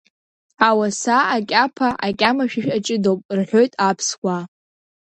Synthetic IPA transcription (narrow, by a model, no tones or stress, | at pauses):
awasaakʲʼapʰaʔakʲʼamaʃᶣɪʃᶣat͡ʃʼɪdowpʼrħʷo̞jtʼapʰskʷa